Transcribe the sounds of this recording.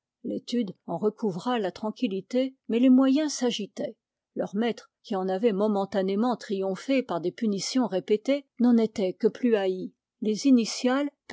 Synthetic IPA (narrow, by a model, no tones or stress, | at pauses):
let̪yd̪ɑ̃ʁəkʰuvʁalat̪χɑ̃kʲilit̪emɛlemwajɛ̃saʒit̪ɛ | lœʁmɛt̪χkʲiɑ̃navɛmɔmɑ̃t̪anemɑ̃t̪χijɔ̃fepaʁd̪epynisjɔ̃ʁepet̪enɑ̃net̪ɛkəplyai | lezinisjalp